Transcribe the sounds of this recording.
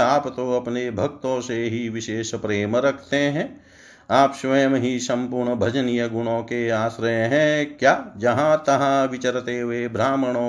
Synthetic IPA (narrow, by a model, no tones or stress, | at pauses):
aːpt̪oɐpnebʱɐkt̪õseɦiʋɪʃeːʃpɾeːmɾɐkʰt̪eɦɛ̃ː | aːpʃʋɐjmɦisɐ̃mpʊɾɳəbʱɐd͡ʒənijəɡʊɽõkeaːsɾəjɦɛ̃kjaːd͡ʒɐɦãt̪ɐɦãʋɪt͡ʃəɾt̪eɦuebɾaːməɽ̃õ